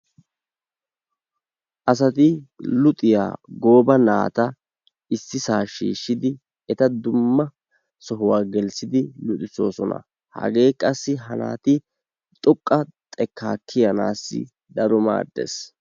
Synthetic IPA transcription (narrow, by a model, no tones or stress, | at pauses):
ʔɐs̬ɐt̪ɪlʊt̪ʼɪja̰ːɡo̞ːbɐna̰ːt̪ɐ | ɪsːɪsaːʃiːʃːɪd̪ɪ | ɛt̪ɐd̪ʊmːɐ | sɔɦʊwaːɡɛlsɪd̪ɪlʊt̪ʼɪso̞ːsɔnɐ̰ | hɐ̰ɡe̞ːkʼɐsːɪɦɐna̰ːt̪ɪ | t̪ʼɔkʼːɐt̪ʼɛkʰːaːkʰːɪjɐna̰ːsːɪ̰ | d̪ɐɾɔma̰ːd̪ːḛs